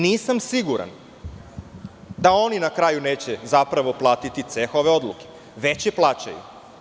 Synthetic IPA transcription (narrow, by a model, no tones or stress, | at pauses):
niːsamsiɡuɾa̰n | d̪ao̞ninakɾaːjuneːt͡ɕe̞zapɾaʋo̞plˠaːt̪it̪it̪se̞xo̞ʋe̞o̞d̪luke̞̥ | ʋet͡ɕjeplˠaːt͡ɕa̰jṵ